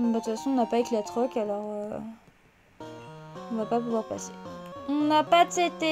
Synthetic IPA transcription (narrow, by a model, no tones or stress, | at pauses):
bat̪ut̪fasɔ̃ɔ̃napaeklat̪χɔkʲalɔʁø | ɔ̃vapapuvwaʁpa̰se̥ɔ̃napat̪et̪e